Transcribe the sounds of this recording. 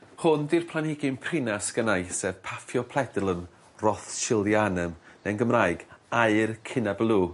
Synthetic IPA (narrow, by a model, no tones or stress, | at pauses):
hʊndirpʰlˠanɪɡɪmpʰrɪnasɡ̥ənajsɛːv̥pʰafjɔpʰl̥ˠɛdlˠən | rɔθʃʰɪlˠdjanəmnɛnɡəmraːjɡaɨrkʰɪnablˠuː